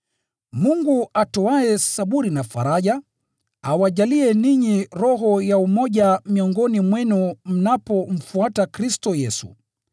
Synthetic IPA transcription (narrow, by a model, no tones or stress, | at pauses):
muŋɡuatɔaɛsaɓuɾinafa̰ɾaʄa | awaʄaliɛniɲiɾɔɦɔjaumɔʄamiɔŋɡɔnimwɛnum̩napɔm̩fuatakɾistɔjɛsṵ